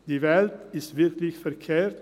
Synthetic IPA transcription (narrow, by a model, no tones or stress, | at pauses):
d̪̥iʋæld̪ɪsʋɪɾklɪçt̪fəɾkʰeːɾt̪